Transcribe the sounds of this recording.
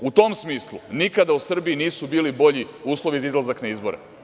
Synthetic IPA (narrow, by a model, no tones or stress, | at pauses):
ut̪o̞msmiːslˠṵnikad̪ausr̩biːniːsubiːlibo̞ʎiuːslˠo̞ʋizaizlˠazaknaizbo̞ɾḛ